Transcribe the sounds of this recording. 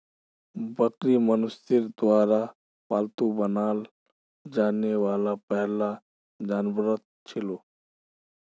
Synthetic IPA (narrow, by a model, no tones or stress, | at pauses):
bəkɾimənʊst̪ɪɾd̪ʊaːɾa | paːlt̪ubənaːl | d͡ʒaːnewaːlapɛɦla | d͡ʒaːnbɾət̪̚ | t͡ʃʰɪloː